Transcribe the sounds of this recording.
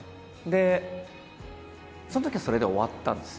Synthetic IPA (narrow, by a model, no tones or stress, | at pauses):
d̪e̞ | sonot̪okʲiaso̞ɾe̞d̪eo̞βat̪ːã̰nd̪e̞s